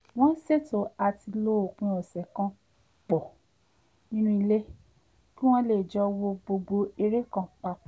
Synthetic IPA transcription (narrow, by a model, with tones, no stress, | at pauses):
w̃ɔ̃˦se˦˨to˨˦a˧ti˧lo˦o˨k͡pũ˧˦ɔ˨sɛ˨kã˧ | k͡pɔ˨ | nĩ˦nũ˧i˧le˦ | kĩ˦w̃ɔ̃˦le˦˨d͡ʒɔ˧wo˧bo˧ɡ͡bo˧e˧ɾe˦kã˨k͡pa˧k͡p